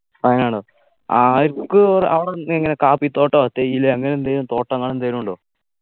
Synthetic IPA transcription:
fɐŋːɐnaːɳɨ | aɾkːɨrɐʋɐɽenːeŋːɐnekaːpit̪o̞ːʈːoːt̪ːejilːɐɐŋːɐnent̪eɾumt̪o̞ːʈːɐŋːɐɭent̪eɾuɳɖoː

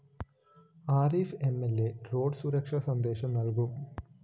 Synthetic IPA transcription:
aːɾife̞mːelːero̞ːɖsuːɾɐkʂɐsɐnd̪e̞ːʂɐmnɐlkum

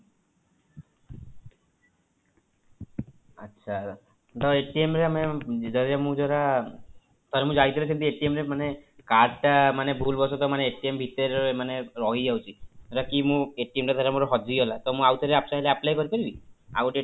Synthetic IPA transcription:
ətːʃʰa | t̪ɔeʈiemɾemed͡ʒɔemũd͡ʒɔɾa | t̪aɾemũd͡ʒait̪ʰilut͡ʃʰint̪ieʈiemɾemanekaɖʈamanebʱulbɔsɔt̪ɔmaneeʈiembʱit̪ɔɾɔmaneɾɔɦid͡ʒawt͡ʃʰit̪ɔɾakimũeʈiemʈat̪aɾemoɾɔɦɔd͡ʒiɦɔlat̪ɔmũawt̪ʰɔɾeapsajleaplajkɔɾipaɾibiauʈe

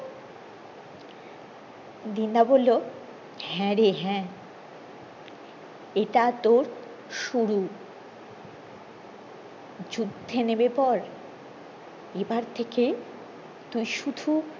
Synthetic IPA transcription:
d̪ind̪abolːo | hɛ̃ɾeɦɛ̃ | eʈat̪oɾ | ʃuɾu | d͡ʑud̪ʱːenebepɔɾ | ebaɾt̪ʰeke | t̪ujʃud̪ʱu

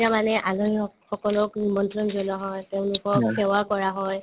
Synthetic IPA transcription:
amanɛʔalɔiɔxɔkɔlɔknimɔntɹɔnzɔlɔɦɔjtɛʊ̃nlʊkɔksɛwakɔɹaɦɔj

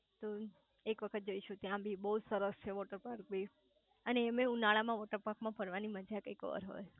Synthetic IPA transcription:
t̪o | ekʋəkʰət̪̚d͡ʒoiʃũt̪jãbʱibəud͡ʒsəɾəst͡ʃʰeʋɔʈəɾpaɾk̚bʱi | əneːmẽũnaɭamãʋɔʈəɾpaɾkmãpəɾʋaniməd͡ʒʱakəkʋə̰ɾɦo̰j

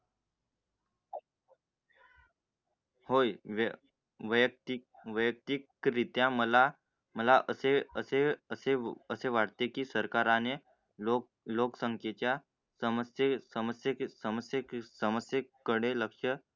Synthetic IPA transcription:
hojʋ | ʋəjək̚t̪ʋəjək̚t̪ikɾit̪jãməla | məlaʔəseəseəseəseʋaɽt̪ekiːsəɾkaɾane | o | loksəŋkʰjet͡ɕja | səməsjsəməsjəsəməsjəsəməsjəkːəɽeləkʂə

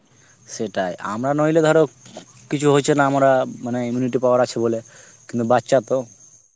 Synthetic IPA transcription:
ʃeʈajʔa̰mɾanojled̪ʱɔɾe | kit͡ɕʰuɦot͡ɕʰenaamaɾamaneimjuniʈ̬ipaoaɾat͡ɕʰebole | kint̪ubatːɕat̪o

